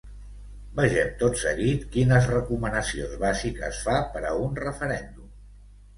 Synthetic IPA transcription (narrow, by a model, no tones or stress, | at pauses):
bəʒɛmt̪otsəɣit̪kinəzrəkumənəsionzβazikə̰sfapəɾəunrəfəɾɛnd̪um